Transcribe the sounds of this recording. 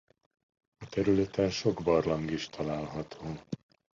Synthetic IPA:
ɒt̪ɛɾylɛt̪ɛnʃo̞ɡbɒrlɒŋɡiʃt̪ʰɒlaːlɦɒt̪ʰoː

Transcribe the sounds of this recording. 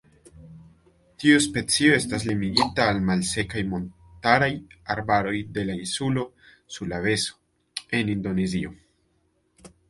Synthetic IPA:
tiuspe̞t͡sio̞e̞stas̬limiɡitaːlmalse̞kajmo̞n | taɾajaɾbaɾo̞jde̞lainsulo̞ | suɾlave̞so̥ | e̞nindo̞nezio̞

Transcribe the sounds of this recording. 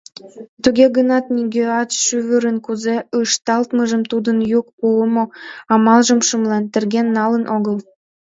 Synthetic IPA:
t̪uɣeɣənɑt̪niɡʲeɑt̪ʃyβəɾə̆nkuzeɯʃt̪ɑlt̪məʒə̆mt̪ud̪ənjuk̚puəmoɑmɑlʒə̆mʃə̆mlɑnt̪ə̆rɣenːɑlə̆nʔoɣəl

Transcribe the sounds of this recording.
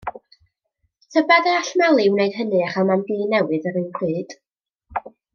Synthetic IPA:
tʰəbadəaɬmalˠɪwneɨd̥hənɨaχamanɡiːnɛwɨðəɾɨnpʰrɨːd̥

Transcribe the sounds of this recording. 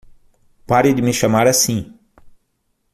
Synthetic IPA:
paɾɪd̪ɪmɪʃamaɾasĩ

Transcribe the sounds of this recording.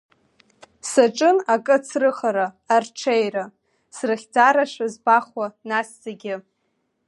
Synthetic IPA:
saʈ͡ʂʼɨnakʼɨt͡sʰrɨχaɾaː | rʈ͡ʂʰejra | srɨχʲd͡zaɾaʂazbaχwanaszaɡʲɪ

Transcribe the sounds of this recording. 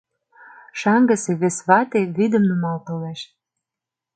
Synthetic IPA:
ʃɑŋɡə̆seβesβɑt̪eβid̪ə̆mnəmɑlt̪ɤleʃ

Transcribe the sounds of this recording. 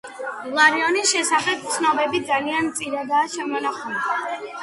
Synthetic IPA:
lˠaɾiɔnisʃɛsaχɛp̚t̪sʰnɔbɛbid̪zalianmt̪sʼiɾad̪aːʃɛmɔnaχɔna

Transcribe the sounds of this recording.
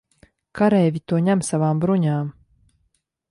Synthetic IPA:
kʰaɾɛːvʲit̪uɔɲamsavaːmbɾuɲaːm

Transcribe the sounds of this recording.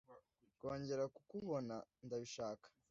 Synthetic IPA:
koːɲɟe̞ɾakukuβo̞nandaβiʃaːkḁ

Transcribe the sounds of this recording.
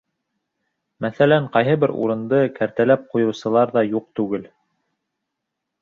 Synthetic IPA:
mæθælæɴqɑjɦɤbɘɾṵɾɤ̆nd̪ɤkæɾt̪ælæp̚qujɤ̆wsɤ̆lˠɑɾðɑjuq̚t̪ʉɡɘl

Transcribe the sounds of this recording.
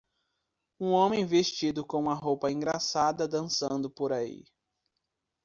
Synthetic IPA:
ũõmẽj̃veʃt͡ʃid̪ʊkõũmɐɦowpɐĩɡɾasad̪ɐd̪ɐ̃sɐ̃nd̪ʊpoɾaḭ

